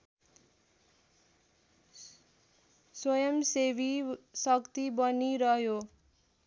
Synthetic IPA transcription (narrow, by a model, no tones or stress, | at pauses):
swʌjʌmsebisʌkt̪ibʌniɾʌɦjo